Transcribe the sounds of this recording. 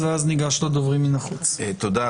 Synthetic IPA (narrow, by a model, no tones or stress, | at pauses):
veazniɡaʃlod̪ovʁiminɐχut͡st̪od̪a